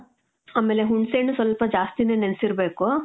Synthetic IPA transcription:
aːmeːleɦuɳɖseːnusʋɐlpɐd͡ʒaːst̪ineːnensiɾbeːku

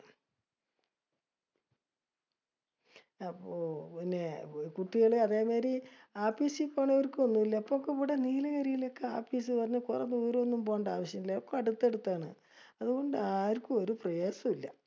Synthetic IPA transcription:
ɐpːoːpinːe̞kuʈːiɣɐɭɨɐðeːmeːɾiaːpːisipoːɳʋɐɾkːɨonːumilːɐipːokːepuɽeniːlɐkɐɾijilo̞kːe̞aːfiːs̬ɨpɐrɐɲːɐkurɐ̰nːoːɾuonːumpoːɳɖaːʋɐɕjɐmilːɐokːoɐɽut̪ːe̞ɽut̪ːaːɳɨ̰ | ɐðuɣo̞ɳɖɨaːɾkːuoɾuprɐjoːsɐmilːɐ̰

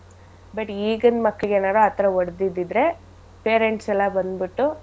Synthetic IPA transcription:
bɐʈiːɡɐnd̪mɐkːɭɡeːnaːɾuɐt̪ɾɐɔɽd̪id̪ːid̪ɾe̞ | peːɾeɳʈsɛlːɐbɐnd̪biʈːu

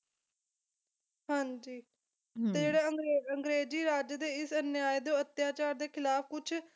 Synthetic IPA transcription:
ɦãːɲd͡ʒiː | t̪eːd͡ʒeːɽeːəŋɡɾeəŋɡɾeːd͡ʒiːɾaːd͡ʒd̪eːɪsənjaːed̪õːət̪jaːt͡ʃaːɾd̪eːkʰɪlaːfkʊt͡ʃʰ

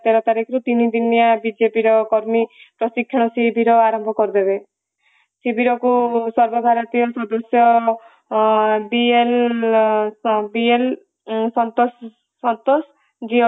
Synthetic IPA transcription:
t̪eɾɔt̪aɾikʰɔɾut̪inid̪injabid͡ʒepiɾɔkɔɾmipɾɔsikʰːjɔɽ̃ɔsibʱiɾɔaɾɔmbʱɔkɔɾid̪ebe | sibiɾɔkusɔɾbɔbʱaɾɔt̪ijɔsɔd̪ɔsjɔ | biel | biel | sɔnt̪ɔsː | ɔnt̪os | d͡ʒiɔ

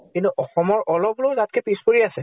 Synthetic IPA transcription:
kintuʔɔxɔmɔɹʔɔlɔblozat̚kʰɛpispoɹiasɛ

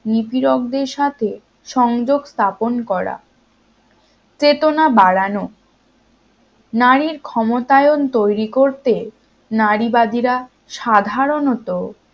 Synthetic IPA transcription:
nipiɾok̚d̪eɾʃat̪ʰe | ʃɔŋd͡ʑoɡst̪ʰaponkɔɾa̰ | t͡ɕet̪onabaɽano | naɾiɾkʰɔmot̪aeont̪ojɾikoɾt̪e | naɾibad̪iɾa | ʃad̪ʱaɾonot̪o

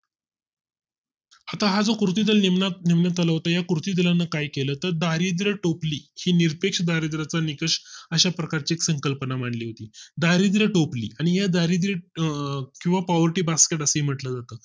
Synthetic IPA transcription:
at̪aɦad͡zokɾut̪iːd̪əlnimnaniʋnat̪alaʋɦot̪ajakuɾut̪iːd̪əlanːəkajkelət̪əɾd̪aɾid̪ɾəʈopliːhiːniɾpekʂəd̪aɾid̪ɾat͡sanikəʂəɕapɾəkaɾt͡ɕieksəŋkəlpənam̤aɳliːɦot̪iːd̪aɾid̪ɾəʈoplḭːaɽ̃iɦad̪aɾid̪ɾe | kĩw̃ʋapɔʋəɾʈiːbaskeʈəsəɦim̤əʈlad͡zat̪ə

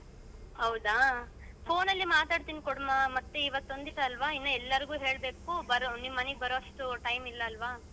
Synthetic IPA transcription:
hɐwd̪aː | pʰo̞ːnɐlːimaːt̪aːɽt̪iːnikɔɽmaːmɐt̪ːeiʋɐt̪ːo̞nd̪iʈɐːlʋaːinːɐɛlːɐɾɡuːɦe̞ːɭbe̞ːkuːbɐɾonimːɐneɡ̚bɐɾoɐʂʈuʈɐjmilːɐːlʋaː

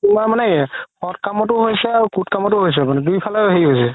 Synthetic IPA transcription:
umamanɛhɔtkamɔtʊɦojsɛaɹukutkamɔtʊɦojs̬ɛmanɛdujpʰalɔɦeɹiɦojsɛ

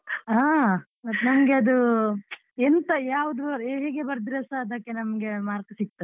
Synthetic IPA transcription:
aː | ɐt̪nɐmɐɡeɐd̪u | ent̪ɐjaːʋɐd̪ubɐɾeɦeːɡebɐɾd̪iɾɐsaɐd̪ɐkːenɐmɡe̞maːɾkɐsik̚t̪ɐ

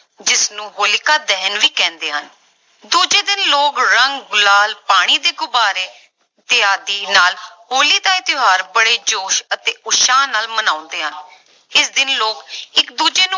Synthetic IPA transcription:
d͡ʒɪsnũːɦoːlkaːd̪ɛːnʋiːkɛ̃ːnd̪eːɦən | d̪uːd͡ʒeːd̪ɪnloːkɾəŋɡɡʊlaːlpaːɽ̃iːd̪eːɡʊbaːɾeː | t̪ɪaːd̪iːnaːlɦoːliːd̪aːɪt̪ɪɦaːɾbəɽeːd͡ʒoːʃət̪eːʊʃaːnaːlmənaːʊ̃nd̪eːɦən | ɪsd̪ɪnloːkɪkd̪uːd͡ʒeːnũː

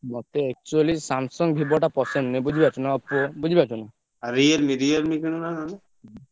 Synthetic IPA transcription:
mɔt̪eːk̚t͡ʃualisamsɔŋɡbʱibɔʈapɔsennebud͡ʒʱibat͡ʃʰunaɔpɔbud͡ʒʱibat͡ʃʰuna | aɾialmidialmikinunanane

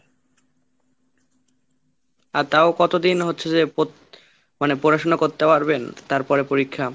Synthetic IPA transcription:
aɾt̪aokɔt̪od̪inɦotːɕʰed͡ʑepo | manepoɾaʃonakoɾt̪epaɾbent̪aɾpɔɾepoɾikʰːa

